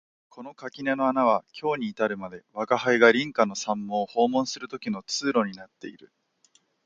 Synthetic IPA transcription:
kʰo̞no̞kakʲineno̞anaβakʲo̞ːɲ̟iːt̪aɾɯ̟mad̪e̞βakahaiɡaɾʲĩŋkano̞sãmːõ̞ːho̞ːmõ̞ɰ̃sɨɾɯ̟t̪o̞kʲino̞t͡sɨːɾo̞ɲ̟inat̪ːe̞̰iɾɯ̟

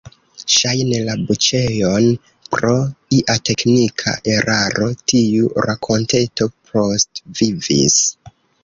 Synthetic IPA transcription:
ʃajne̞labut͡ʃe̞jo̞n | pɾo̞iʔate̞knikʰa̰ʔe̞ɾʔaɾʔo̞tiuɾakʰo̞nte̞to̞pʰo̞stvivḭs

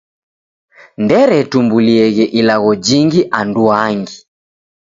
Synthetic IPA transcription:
ndɛɾɛtumbuliɛɣɛʔilaɣɔd͡ʒiŋɡiʔanduaŋɡi

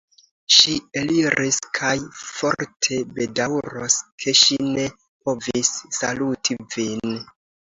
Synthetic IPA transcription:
ʃieliɾʔiskʰajfo̞ɾtʰe̞be̞dawɾoskʰe̞ʃine̞ | po̞visːalutʰivin

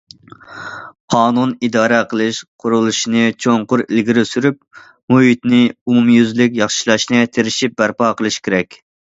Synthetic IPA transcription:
qʰɑːnunid̪ɑːɾɛqʰəlˠɨʃqʰʊɾulˠuʃinɨt͡ʃʰoŋqʊɾilɡʲiɾɪsyɾyp̚ | muɦit̪nɪumumjyzlɪkʲjɑχʃilˠɑʃnɨt̪ʰeɾɪʃip̚bæɾpɑːqəlˠɨʃkʲʰeɾɛkʲ

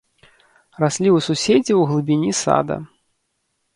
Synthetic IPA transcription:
rasʲlʲiususʲed͡zʲiwɣlˠɨbʲinʲisa̰d̪ɐ̰

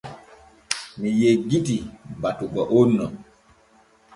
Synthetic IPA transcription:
mijeɡitibatuɡɔʔonːɔ

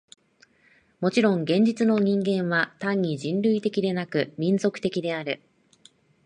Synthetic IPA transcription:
mo̞t͡ɕiɾõ̞ŋɡẽ̞ɲ̟d͡ʑit͡sɨno̞ɲ̟ĩŋɡẽ̞ɰ̃βat̪ãɲ̟ʲːiʑĩnɾɯ̟it̪e̞kʲid̪e̞nakɯ̟mʲĩnzo̞kɯ̥t̪e̞kʲid̪e̞aɾɯ̟

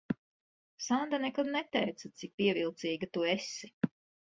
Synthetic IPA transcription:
sand̪anɛkad̪nɛt̪ɛjt̪sat̪sik̚piɛvilˠt̪siːɡt̪uesi

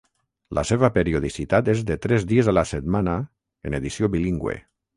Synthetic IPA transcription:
la̰seβ̞apeɾioðisit̪at̪ezd̪et̪ɾɛzd̪iezalaset̪mana | eneðisjoβiliŋɡwḛ

